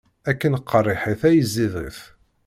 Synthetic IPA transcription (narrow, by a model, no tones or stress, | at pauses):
ækːənəqːərˤːiħiθæjəzːiðˤḭθ